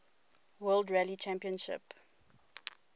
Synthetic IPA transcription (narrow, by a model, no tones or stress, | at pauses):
wɜːldɹɛlit͡ʃæ̃mpiə̃nʃɪ̰p